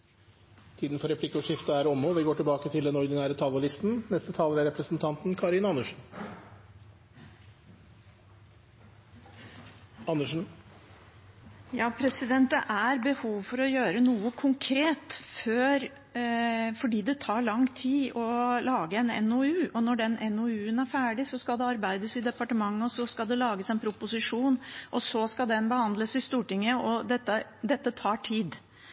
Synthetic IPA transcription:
t̪ʰiːd̪n̩fɔɾɛpʰlɪkːʊʂɪft̪əæɾɔmɔʋɪɡoːʈɪlbɑːkət̪ʰɪld̪ɛnɔɾd̪ɪnæːɾət̪ʰɑləlɪst̪n̩nɛst̪ət̪ʰɑːləɾæɾɛpɾəsnt̪ʰɑnt̪nkʰɑɾɪnɑnːəʂn̩ | ɑnəʂn̩ | jɑːpʰɾɛsɪd̪ɛnt̪̚əʔæɾbəhuːʋfɔɾɔjøːɾənuːəkʰʊŋkʰɾeːt̪føːɾ | fɔɖiːd̪ɛt̪ʰɑːɭɑŋt̪ʰiːɔlɑːɡəɛnɛ̰noʉːʔɔnɔɖɛnʔɛnoʉːənæɾfæːɖɪsɔskɑld̪ɛɑɾbæɪd̪əsɪd̪ɛpɑʈəmɑŋːəɔsɔskɑld̪ɛlɑːɡəsɛɪnpʰɾʊpʊsɪʂuːnʔɔsɔskɑld̪ɛnbəhɑnd̪ləsɪst̪uːʈɪŋːəɔd̪ɛt̪ːəd̪ɛt̪ːət̪ʰɑːʈʰiːd̪

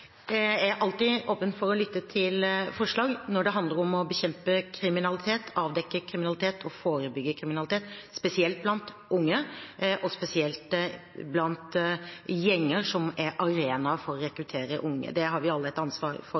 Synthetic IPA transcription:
æʔɑlt̪ɪːʔoːpənfɔɾɔlʏt̪ːət̪ʰɪlfɔʂɭɑːɡnɔɖɛɦɑnd̪ləɾɔmɔbəçɛmpəkʰɾɪmɪnɑlɪt̪ʰeːt̪ʰɑːʋd̪ɛkːəkʰɾɪmɪnɑlɪt̪ʰeːt̪ʰɔfoːɾəbʏɡːəkʰɾɪmɪnɑlɪt̪eːt̪spɛsɪɛlt̪̚blɑnt̪ | ʔʊŋːəʔɔspɛsɪɛlt̪ | blɑnt̪ | jɛŋːəɾʂɔmæɾʔɑɾeːnɑfɔɾɔɾɛkɾʉt̪ʰeːɾəʔʊŋːə̰d̪ɛɦɑɾʋɪɑlːəɛt̪ɑnsʋɑːɾfɔ

